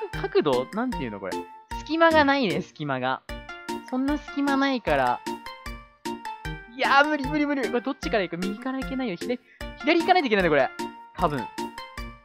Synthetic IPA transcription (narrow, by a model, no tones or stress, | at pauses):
kʰakɯ̟d̪o̞nãnt̪eiɯ̟noko̞ɾḛsɨ̥kʲimaɡanainesɨ̥kʲimaɡa̰sõ̞nːasɨ̥kʲimanaikaɾa̰ | jamɯ̟ɾʲimɯ̟ɾʲimɯ̟ɾʲikoed̪o̞t͡ɕːi̥kaɾaikːomʲiɡʲikaɾaike̞naijoçid̪a | çid̪aɾʲiikanait̪eikenãĩokoɾet̪ʰabɯ̟̰̃ɴ